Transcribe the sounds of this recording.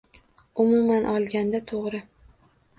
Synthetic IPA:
ʊmʊmanʔɒlˠɡʲand̪at̪ʰoʁɾɪ

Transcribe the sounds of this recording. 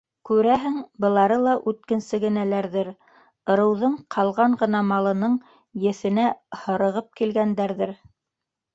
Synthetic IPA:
kʉɾæɦɘŋbɤ̆lˠɑɾɤlˠɑʔʉt̪̚kɘ̆nsɘɡɘ̆nælæɾðɘɾ | ɤ̆ɾɤ̆wðɤɴqʰɑlˠʁɑɴɢɤ̆nɑmɑlˠɤ̆nɤɴ | jɘ̆θɘ̆næhɤ̆ɾɤ̆ʁɤp̚kilɡænd̪æɾðɘɾ

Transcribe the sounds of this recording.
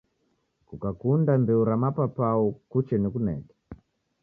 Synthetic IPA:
kukakundambɛuɾamapapaɔkut͡ʃɛnikunɛ̰kɛ̥

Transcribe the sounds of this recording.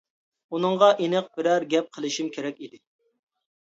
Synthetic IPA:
unɨŋʁɑʔenɨq̚bɪɾæɾɡʲɛp̚qʰəlˠɪʃimkʲʰeɾɛkʲid̪ɪ

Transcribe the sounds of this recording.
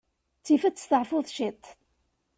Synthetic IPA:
t͡sːifæt͡sːsθəʕfʊðˤʃit̪ˤ

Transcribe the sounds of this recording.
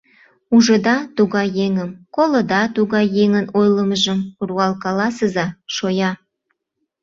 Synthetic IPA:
uʒə̆d̪ɑt̪uɣɑjjeŋəmkolod̪ɑt̪uɣɑjːeŋənojləməʒəmruɑlkɑlɑsəzɑʃojɑ

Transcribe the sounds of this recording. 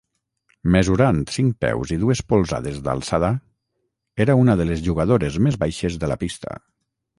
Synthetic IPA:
məzuɾant̪siŋk̚pɛ̰wziðuespolˠza̰ðezða̰lˠsaða | eɾaunaðəlezʒuɣaðoɾezmezβajʃezðəla̰pist̪ʰə̰

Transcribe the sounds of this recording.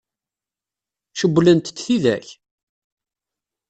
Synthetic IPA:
ʃəbʷːlənt̪t͡sːθiðæ̰ç

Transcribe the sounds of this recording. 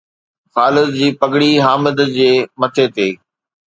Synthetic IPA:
xaːlɪzd͡ʑiːpɐɡɽiɦaːmɪd̪d͡ʑeːmɐt̪ʰet̪eː

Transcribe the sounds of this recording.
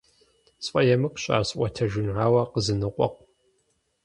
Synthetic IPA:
sʼfʼɐjɛmɨkʼɕʼa̰ːsʔʷɐtʰɐʒɪnʕaːwɐqəzɨnɨqʷʼɔ̰q̚ʼ

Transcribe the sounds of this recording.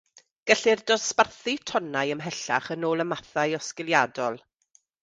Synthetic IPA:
ɡ̥ɛɬɪrdɔsparθɨtʰɔnajəmɦɛɬa̰χənoːlˠəmaθajɔskɪlˠjadɔlˠ

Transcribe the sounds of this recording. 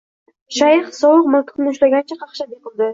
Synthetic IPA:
ʃajɪχsɒwʊqmak̪ʲʰq̪nɪʊʃlaɡʲant͡ʃʰaqʰɑχʃabeqɨlˠd̪ɪ

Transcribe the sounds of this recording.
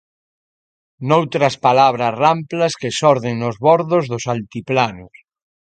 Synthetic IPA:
nowt̪ɾɐspalaβ̞ɾɐsramplɐskesɔɾðeŋnʊzβɔɾðʊzðʊsalt̪iplanʊs

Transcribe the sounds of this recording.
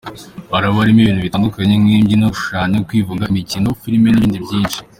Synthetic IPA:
βaɾaβoaɾimiβiːnuβitaːndukaɲe̞mŋiːmɟinuʃaɲekwiːvuɡamicinofiɾme̞niβiːndibjiːnʃi̥

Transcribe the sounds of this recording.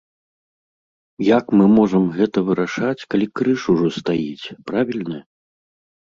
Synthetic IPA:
jakmɨmɔʐɐmɣɛt̪ɐvɨɾaʂat͡sʲkalʲikɾɨʂuʐɔst̪ajit͡sʲpɾavʲilʲnɐ

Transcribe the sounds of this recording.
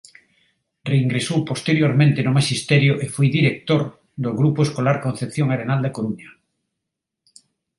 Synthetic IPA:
reiŋɡɾesowpost̪eɾjoɾmẽnt̪enʊmaʃist̪ɛɾjoʔefojðiɾek̚t̪oɾ | d̪oɣɾupoeskolaɾkõnθepθjoŋaɾenald̪akoɾuɲa

